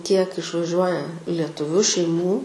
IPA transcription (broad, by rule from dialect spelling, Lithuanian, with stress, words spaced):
kʲiɛk ɪʃʋɐˈʒʲuɔjɛ lʲɛtʊˈʋʲʊ ʃʲɛɪˈmuː